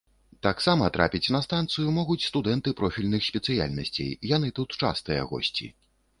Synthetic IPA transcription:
t̪aksamɐt̪ɾʔa̰pʲit͡sʲnɐst̪ant̪sɨjumɔɣut͡sʲst̪ud̪ɛnt̪ɨpɾɔfʲilʲnɨxsʲpʲɛt̪sɨja̰lʲnɐsʲt͡sʲḛjjan̪ɨt̪ut̪t͡ʂa̰st̪ɨjɐ̰ɣɔ̰sʲt͡sʲḭ

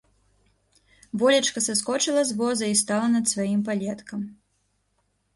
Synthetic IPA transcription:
vɔlʲɐt͡ʂkɐsaskɔt͡ʂɨlˠɐzvɔzɐist̪alˠɐnɐt̪svajimpalʲɛt̪kɐm

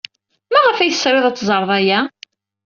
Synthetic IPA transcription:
mæʁəfæjəsɾˤeðˤæt͡sːzˤəɾˤðˤæjæ

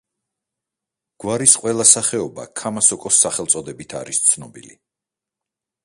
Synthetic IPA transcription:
ɡ̥waɾisqʼwɛlˠasaχɛɔba̰kʰamasɔkʼɔsːaχɛlˠt̪sʼɔd̪ɛbit̪ʰaɾist̪sʰnɔbḭlḭ

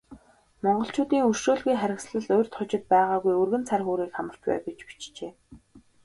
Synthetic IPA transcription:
mɔɴɢɞ̆ɬt͡ɕʊːt̪iːŋɵrʃoːɮɣujχæɾʲɪ̆ksɮə̆ɮʊjr̥t̪ʰχʊt͡ɕɪ̆t̪̚pæːʁaːɣujɵrɣɘ̆nt͡sʰarxuːɾiːkχamə̆kt͡ɕpæ̰ːwɡet͡ɕpi̥t͡ɕt͡ɕeː

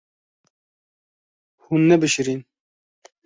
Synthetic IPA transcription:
hunːɛbɨʃiɾin

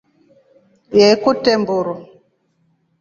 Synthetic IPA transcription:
jekutembuɾɔ

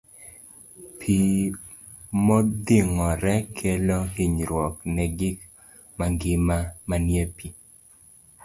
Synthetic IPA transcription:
pʰi | mɔd̪iŋɔɾɛkʰɛlɔhiɲɾwɔknɛɡɪk | maŋɡɪmamanjepi

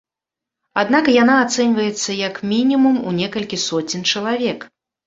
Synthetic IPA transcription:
ad̪nakjan̪aːt̪sɛnʲvɐjɛt̪sːɐjɐkmʲinʲimumunʲɛkɐlʲkʲisɔt͡sʲint͡ʂɐlˠavʲɛk

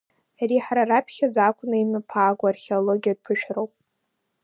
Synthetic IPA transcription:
aɾiħaɾaɾapʰχʲad͡zakʷʰʼʊnaimɨpʰaːɡʷaarχʲeoloɡʲiad̚pʰɨʃᶣrowpʼ

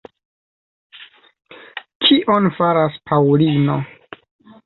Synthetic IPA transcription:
kʰiʔonfaɾaspʰawlino̞

